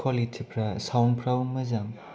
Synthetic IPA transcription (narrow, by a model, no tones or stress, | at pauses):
kʰalitʰipʰɾasawnpʰɾawuŋmɯzaŋ